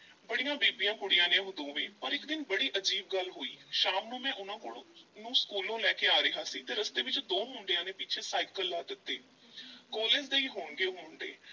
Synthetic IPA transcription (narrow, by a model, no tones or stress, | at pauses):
bəɽijãːbiːbijãːkʊɽɪjãːnẽːɦʊd̪õːʋeːpəɾɪkd̪ɪnbəɽiːʔəd͡ʒiːbɡəlɦoːḭːʃaːmnũːmɛ̃ːʔʊnãːkoɽnũːskuːlõːlɛːkeːaːɾəɦaːsiːt̪eːɾəst̪eːʋɪt͡ʃd̪oːmʊɳɖejãːnẽːpɪt͡ʃʰeːsaːikəlːaːd̪ɪt̪ːeː | kɔːleːd͡ʒd̪eːiːɦoːɳɡeːɦoːɳd̪ḛː